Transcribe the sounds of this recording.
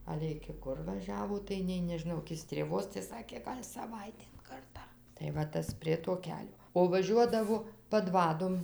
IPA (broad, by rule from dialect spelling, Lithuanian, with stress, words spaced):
ˈɑːlʲɛ ɪkʲɪ ˈkʊr ʋɐˈʒʲæːʋoː tɐɪ nʲɛɪ nʲɛʒʲɪˈnɐʊ ɪkʲɪ sʲtʲrʲeːˈʋoːs tɐɪ ˈsɑːkʲeː ˈɡɐlʲ sɐˈʋɐɪtʲeːn ˈkɐrtɑː tɐɪ ʋɐ ˈtɐs ˈpʲrʲiɛ toː ˈkʲæːlʲoː oː ʋɐˈʒʲuɔdɐʋoː pɐˈdʋɑːdoːm